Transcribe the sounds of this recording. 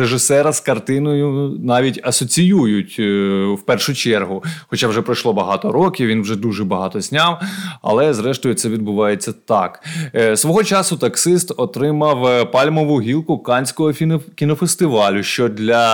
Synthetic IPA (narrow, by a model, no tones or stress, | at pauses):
eʒɪsɛɾɐskɐrt̪ɪnɔjʊnɑʋʲitʲɐsɔt͡sʲijujʊtʲwpɛrʃʊt͡ʃɛrɦʊxɔt͡ʃawʒɛpɾɐjʃlˠɔbɐɦɑt̪ɔɾɔkʲiwʋinwʒɛd̪uʒɛbɐɦɑt̪ɔzʲnʲɑwɐ̰lˠɛzɾɛʃt̪ɔjʊtsɛʋʲid̪̚bʊʋɑjet͡sʲːɐt̪ɑksʋɔɦɔt͡ʃɑsʊt̪ɐksɪst̪ɔt̪ɾɪmɐwpɑlʲmɔʋʊɦʲilˠkʊkɑnʲsʲkɔɦɔkʲinɔfest̪ɪʋɑlʲʊʃt͡ʃɔd̪lʲɐ